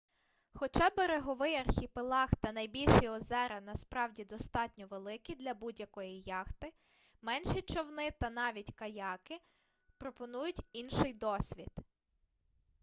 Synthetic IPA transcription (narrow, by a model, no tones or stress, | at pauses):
xɔt͡ʃɑbeɾeɦɔʋɪjɐrxʲipɪlˠɑxt̪ɐnɐjbʲilʲʃiɔzɛɾɐnɐspɾɑwdʲid̪ɔst̪ɑtʲnʲɔʋelˠɪkid̪lʲɐbudʲjɐkɔjijɑxt̪ɪ | mɛnʃit͡ʃɔwnɪt̪ɐnɑʋʲitʲkɐjɑkɪ | pɾɔpɔnujʊtʲinʃɪjd̪ɔsʲʋʲid̪̥